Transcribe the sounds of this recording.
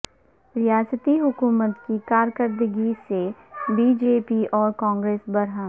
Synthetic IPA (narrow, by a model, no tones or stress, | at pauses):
ɾɪjaːsət̪iɦʊkuːmət̪kikaːɾkəɾd̪əɡisebiːd͡ʒeːpiʔɔːɾkaɔ̃ːŋɡɾeːsbɐɾɦãː